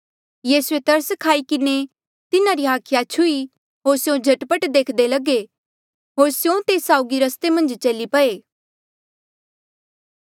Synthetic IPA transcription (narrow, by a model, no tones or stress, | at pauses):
jiːsuet̪ɐɾskʰaːikɪne | t̪ɪnaɾiɦaːkʰɪjat͡ʃʰʊi | ɦoːɾsjõd͡ʒʱɐʈpəʈd̪eːkʰd̪elɐɡe | ɦoːɾsjõt̪eːsaːʊɡiɾɐst̪emɐ̃nd͡ʒt͡ʃɐlipɐeː